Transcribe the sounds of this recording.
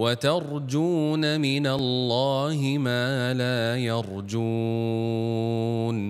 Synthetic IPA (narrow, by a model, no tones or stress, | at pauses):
wat̪ɑɾˤd͡ʒuːnamɪnalːaːhɪmaːlaːjɑɾˤd͡ʒuː | n